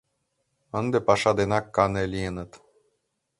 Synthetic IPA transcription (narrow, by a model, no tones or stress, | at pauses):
ə̆nd̪ĕpɑʃɑd̪enɑkːɑnelʲijənɤ̆t̪